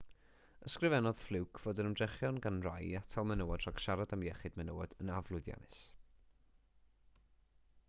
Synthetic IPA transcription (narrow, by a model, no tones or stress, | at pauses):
əskrɨvɛnɔð̥flˠɪwkʰv̥oːdənəmdrɛχjɔnɡanrajatʰalˠmɛnəwadraɡ̥ʃaɾadamjɛχɨdmɛnəwad̥ənavlˠʊɨðja̰nɨs